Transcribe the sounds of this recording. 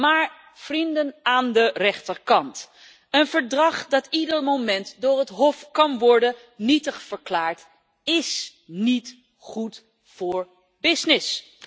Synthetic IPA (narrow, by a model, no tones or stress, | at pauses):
maːɹ | v̥rindənaːndərɛχtəɹkɑnt | ənv̥əɹdrɑχdɑtidərmomɛntdʊːrətɦɔfkɑnʋɔɹdə | nitəχfəɹklaːɹt | ɪsnit | χut | fʊːɹ | bɪsnɪs